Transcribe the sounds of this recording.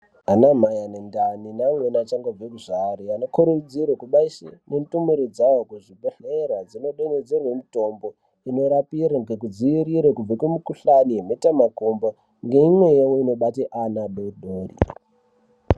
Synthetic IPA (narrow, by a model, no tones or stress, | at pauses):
anamajanendaninamwenat͡ʃaŋɡob͡vekuʐariano̞kuɾud͡zirwekuɓaisenentumiɾod͡zajokuʐiɓeɬerwad͡zino̞ɗemed͡zerwemito̞mbo̞ | ino̞ɾapiraŋɡekud͡ziiɾiɾekub͡vekumukuɬanienetamakomba | ŋɡe̞imwe̞jewoino̞ɓateʔanaɗoɗʱoːrḭ